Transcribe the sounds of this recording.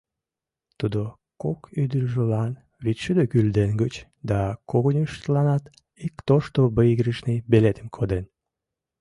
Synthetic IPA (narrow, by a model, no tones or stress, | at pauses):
t̪ud̪o | kokyd̪ərʒəlɑn | βit̪ʲʃud̪økyld̪enɡət͡ɕ | d̪ɑkoɣənʲyʃt̪lɑnɑt̪ | ikt̪oʃt̪obəiɣɾəʃnibelet̪əmkʰod̪en